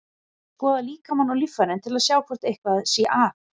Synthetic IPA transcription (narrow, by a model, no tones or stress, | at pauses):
pɔːðaliːkamanːawlifːaɾnɪnt̪ʰɪlaðsjaːwkʰvɔr̥t̪ejhkvaðsia̰ʔaː